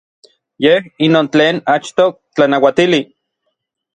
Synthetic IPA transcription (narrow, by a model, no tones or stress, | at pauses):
jehinoːnt͡ɬeːnat͡ʃt̪o | t͡ɬanawat̪ili